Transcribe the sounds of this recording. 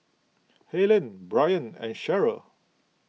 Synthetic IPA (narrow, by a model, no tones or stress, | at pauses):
helə̃nbɹajə̃nɛ̰̃nʃɛɹə